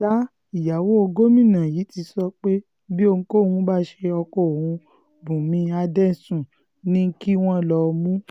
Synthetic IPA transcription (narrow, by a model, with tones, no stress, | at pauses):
a˦ | i˨ja˨wo˦o˧ɡo˦mĩ˦˨nã˨jiː˨˦ti˧sɔ˧k͡pe˦ | bi˦o˧ũ˧ko˦˨hũ˧˦ba˦ʃe˧ɔ˧kɔ˦˨o˨hũ˧ | bũ˨mĩ˧a˧dɛ̃˦˨sũ˦˨ | nĩ˦ŋ̩˦ki˦w̃ɔ̃˦˨lɔ˧mũ˦